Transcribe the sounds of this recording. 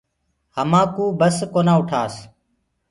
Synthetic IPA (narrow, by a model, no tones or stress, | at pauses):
həmãːkuːbəskoːnãːʊʈʰaːs